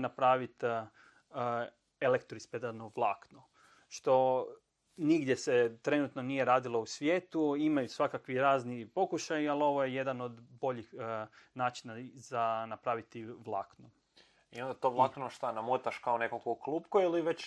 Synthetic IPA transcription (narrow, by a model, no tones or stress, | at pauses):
napɾaːʋit̪ː | elekt̪oɾisped̪anoʋlˠaːkno | ʃt̪o̞ | niɡd̪je̞set̪ɾe̞nut̪no̞nije̞ɾaːd̪ilˠo̞usʋjeːt̪uimajusʋakakʋiɾaːznipo̞kuʃajialo̞ʋo̞jeje̞d̪ano̞d̪bo̞ʎixnaːt͡ʃinazanapɾaʋit̪iʋlˠaːkno | iond̪at̪oʋlˠaknoʃt̪anamut̪aʃkaonekolkokluːpkoiliʋet͡ɕ